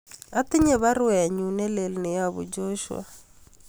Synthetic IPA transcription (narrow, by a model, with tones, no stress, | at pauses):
a˦t̪i˦ɲɛ˦βa˦ɾwa˨a˨ɲu˨nɛ˦lɛ˨lne˨ja˨βṵ˨d͡ʒɔ˦ʃwa̰